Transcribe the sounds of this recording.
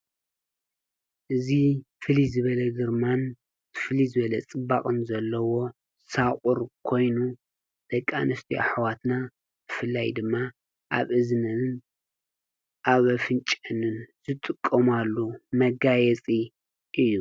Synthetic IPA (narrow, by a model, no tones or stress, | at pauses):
ʔɨzifɨlizɨβɐlɐɡɨɾman | ɨfɨlizɨβɐlɐt͡sʼɨbaχʼɨnzɐlːɐwo̞ | sakʼuɾkʰo̞jnu | d̪̥ɐkʼːa̰nɨst̪ʰia̰ħwat̪na | tʰɨfɨlːajd̪ɨmːa | ʔa̰βɨznɐn | ʔaβɐfɨnt͡ʃʼɐnɨnz̥ɨt̪ʼɨkʼːɐmalːumɐɡajɛt͡sʼi | ʔɨjːu